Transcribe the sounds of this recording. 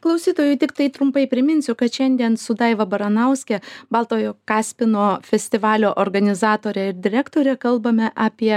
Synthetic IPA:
klˠɐʊsʲiːt̪oːjʊt̪ʲɪkt̪ɐɪt̪ɾʊmpɐɪpʲɾʲɪmʲɪnʲsʲʊkɐt̪ʃʲɛnʲd̪ʲiɛnsʊd̪ɐɪʋɐbɐɾɐnɐʊsʲkʲɛbɐlˠt̪oːjoːkɑːsʲpʲɪnoːfʲɛsʲt̪ʲɪʋɑːlʲoːʔoːɾɡɐnʲɪzɑːt̪oːɾʲɛɪɾd̪ʲɪɾʲækt̪oːɾʲɛkɐlˠbɐmʲɛʔɑːpʲiɛ

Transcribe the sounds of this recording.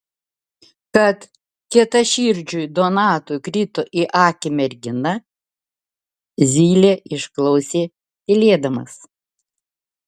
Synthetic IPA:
kɐt̪ | kʲiɛt̪ɐʃʲiːɾʲd͡ʒʲʊjd̪ɔnɑːt̪ʊkɾʲɪt̪oʔɪʔɑːkʲɪmʲɛɾʲɡʲɪnɐ | zʲiːlʲeːʔɪʃklˠɒʊsʲeː | t̪ʲɪlʲeːd̪ɐmɐ̰s

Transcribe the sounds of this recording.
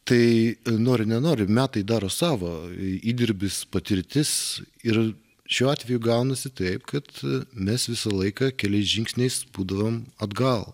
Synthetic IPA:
t̪ɐɪnoːɾʲɪnʲɛnoːɾʲɪmʲæːt̪ɐɪd̪ɑːɾoːsɑːʋoːiːd̪ʲɪɾʲbʲɪspɐt̪ʲɪɾʲt̪ʲɪs | ɪɾ | ʃʲuːɑːt̪ʲʋʲɛjuɡɐʊnɐsʲɪt̪ɐɪpkɐt̪mʲɛsʋʲɪsɐlˠɐɪkɑkʲɛlʲɛɪsʒʲɪŋksʲnʲɛɪsbuːd̪ɐʋoːmɐd̪ɡɐlˠ

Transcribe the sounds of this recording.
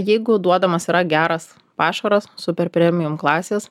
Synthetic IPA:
jɛɪɡʊd̪uɔd̪ɐmɐsiːɾɐɡʲæːɾɐs | pɑːʃɐɾɐssʊpʲɛɾpʲɾʲɛmʲɪjʊmklˠɑːsʲeːs

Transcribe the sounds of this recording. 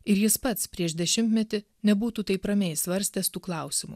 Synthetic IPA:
ɪɾjɪspɐt̪spʲɾʲiɛʃd̪ʲɛʃʲɪmʲt̪ʲmʲɛt̪ʲɪ | nʲɛbuːt̪uːt̪ɐɪpɾɐmʲɛːɪsʋɐɾʲsʲt̪ʲɛst̪uːklˠɐˑʊsʲɪmṵ

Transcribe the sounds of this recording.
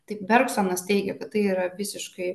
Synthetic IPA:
t̪ɐɪpbʲɛɾksonɐst̪ʲɛɪɡʲɛkɐt̪t̪ɐɪiːɾɐʋʲɪsʲɪʃkɐɪ

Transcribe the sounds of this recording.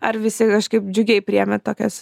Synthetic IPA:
ɐɾʋʲɪsʲɪkɐʃkɐɪpd͡ʒʲʊɡʲɛɪpʲɾʲɪɛmʲɛt̪oːkʲɛs

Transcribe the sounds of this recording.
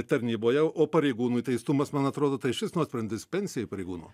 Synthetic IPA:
t̪ɐɾʲnʲiːboːjɛoːpɐɾʲɛɪɡuːnuːit̪ɐɪst̪ʊmɐsmɐnɐt̪ɾoːd̪oːt̪ɐɪʃʲɪsnuɔɐsʲpʲɾʲɛnʲd̪ʲɪspʲɛnʲsʲɪjɛɪpɐɾʲɛɪɡuːnṵː

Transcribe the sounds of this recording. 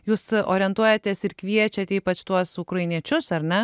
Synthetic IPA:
juːsoːɾʲɪɛnt̪uɔjɛt̪ʲeːsɪɾkʲʋʲiɛt͡ʃʲɛt̪ʲiːpɐt͡ʃt̪uɔsʊkɾɐɪnʲiɛt͡ʃʲʊsɐɾnʲɛ

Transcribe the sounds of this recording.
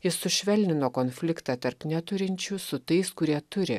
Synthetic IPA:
jɪsːʊʃʲʋʲɛlʲnʲɪnoːkoːnʲfʲlʲɪkt̪ɑːt̪ɐɾpnʲɛt̪ʊɾʲɪnʲt͡ʃʲuːsʊt̪ɐɪskʊɾʲiɛt̪ʊɾʲɪ̰

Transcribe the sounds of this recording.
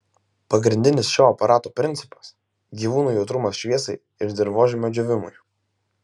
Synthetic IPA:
pɐɡɾʲɪnʲd̪ʲɪnʲɪsʃʲoːɐpɐɾʔɑːt̪oːpʲɾʲɪnʲt̪sʲɪ̥pɐ̥s | ɡʲiːʋuːnuːjɛʊt̪ɾʊmɐsʃʲʋʲiɛsɐɪ | ɪɾd̪ʲɪɾʋoːʒʲɪmʲod͡ʒʲʊʋʲɪmʊ̰ɪ

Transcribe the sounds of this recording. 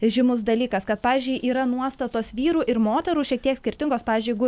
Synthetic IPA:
ʒʲɪmʊs̬d̪ɐlʲiːkɐskɐt̪̚pɑːʋʲɪzʲd͡ʒʲʊɪʔiːɾɐnuɔst̪ɐt̪oːsʋʲiːɾuːʔɪɾmoːt̪ʲɛɾuːʃʲiɛk̚t̪ʲiɛksʲkʲɪɾʲt̪ʲɪŋɡoːspɑːʋʲɪːzʲd͡ʒʲʊɪɡʊ

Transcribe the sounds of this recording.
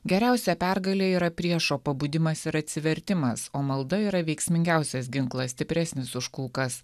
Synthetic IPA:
ɡʲɛɾʲæˑʊsʲɛpʲæɾɡɐlʲeːiːɾɐpʲɾʲiɛʃoːpɐbuːd̪ʲɪmɐsɪɾɐt̪ʲsʲɪʋʲɛɾʲt̪ʲɪmɐsoːmɐlˠd̪ɐiːɾɐʋʲɛɪksʲmʲɪŋʲɡʲæˑʊsʲɛs̬ɡʲɪŋklˠɐsʲt̪ʲɪpʲɾʲæsʲnʲɪsʊʃkulˠkɐs

